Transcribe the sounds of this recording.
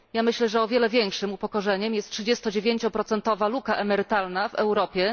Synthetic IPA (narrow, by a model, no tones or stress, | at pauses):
jamɘɕlɛʐɛɔvʲjɛlɛvʲjɛŋkʂɘmupɔkɔʐɛɲɛmjɛst̪tʂɘd͡ʑɛst̪ɔd͡ʑevʲjeɲt͡ɕɔpɾɔt̪sɛnt̪ɔvalukaʔɛmɛɾɘt̪alnavɛ̰wɾɔpʲjɛ